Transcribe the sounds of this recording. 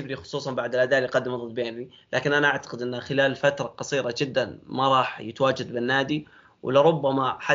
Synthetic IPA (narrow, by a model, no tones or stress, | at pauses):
ɪbɾixʊ̥sˤuːsˤɑnbaʕd̪alʔad̪aːʔljqɑd̪ːɪmðˤɨlːbeːni | lʔaːkɪnʔanaʔaʕt̪ḁqɪd̪ʔɪnːaxɪlaːlfat̪ɾˤɑqɑsˤiːɾɑd͡ʒɪd̪ːanmaɾˤɑːħjɪt̪awaːd͡ʒad̪̚bɪnːaːd̪i | wɪ̰lɪɾʊbːamaħa